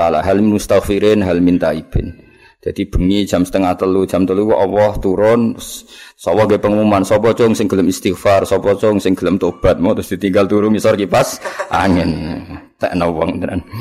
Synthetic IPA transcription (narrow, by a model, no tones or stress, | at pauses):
sala̰ʔɦalminust̪akfiɾɪnɦalmint̪aib̥ɪn | d̪̥ad̪̥ib̥ə̤ŋid̥ʒ̥a̤msə̥t̪əŋaht̪əlud̥ʒ̥a̤mt̪əlukuʔɔwɔht̪uɾʊnʊsːɔwɔhŋɡɛpəŋumumansɔpɔt͡ʃʊŋsɪŋɡ̥ələmist̪ikfarsɔpɔt͡ʃɔŋsɪŋɡ̥ələmt̪ob̥a̤t̪̚mɔt̪ɾʊsd̪̥i̤t̪iŋɡalt̪uɾʊŋisɔrkipasʔa̰ŋɪnt̪ɛʔnɔwɔŋt̪əna̰n